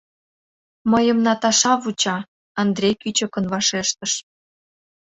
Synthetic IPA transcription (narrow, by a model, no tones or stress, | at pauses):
məjə̆mnɑt̪ɑʃɑβut͡ɕɑː | nd̪rʲejkyt͡ɕə̆kə̆nβɑʃeʃt̪ə̆ʃ